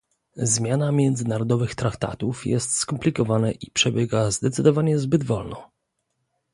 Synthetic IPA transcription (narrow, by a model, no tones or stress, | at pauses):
zmʲjanamʲjɛnd̪zɘnaɾɔd̪ɔvɘxt̪ɾakt̪a̰t̪ufjɛ̰st̪skɔmplʲikɔvanɛʔipʂɛbʲjɛɡazd̪ɛt̪sɘd̪ɔvaɲɛzbɘd̪vɔlnɔ̰